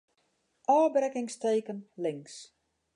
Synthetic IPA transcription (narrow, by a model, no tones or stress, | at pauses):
ʔɔːbrɛkɪŋsteːkənlɪŋs